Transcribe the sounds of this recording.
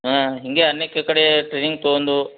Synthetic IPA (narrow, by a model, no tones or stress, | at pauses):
aɦiŋɡeɐnːekːɐkɐɽeʈɾeːniŋɡ̚t̪oːnd̪u